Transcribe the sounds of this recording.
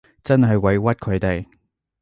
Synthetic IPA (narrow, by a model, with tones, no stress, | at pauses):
t͡sɐ˥nɦɐ˨jwɐ˨˧jwɐ˥t̚kʰɵ˨˧ɥt̪e˨j